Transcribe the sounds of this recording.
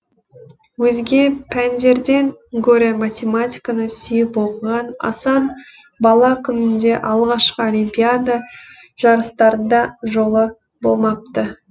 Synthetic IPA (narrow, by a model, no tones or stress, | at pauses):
wɵzɡʲe̞pʰænd̪e̞ɾd̪e̞ŋɡoɾemat̪ʲemat̪ʲijkanəsʏjɪpbolˠʁɑnɑ̰sɑn | bɑlˠɑkʲʰʏnɪnd̪e̞ʔɑlˠʁɑʃqəolʲimpʲijad̪a | ʒ̥ɑɾəst̪ɑɾənd̪ɑʒo̞lˠə | bo̞̰lˠmɑp̚t̪ə